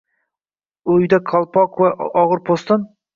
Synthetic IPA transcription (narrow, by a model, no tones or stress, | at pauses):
ʊjd̪akʰɑlˠpʰɒqvaʔɒʁɨɾpʰost̪ɨn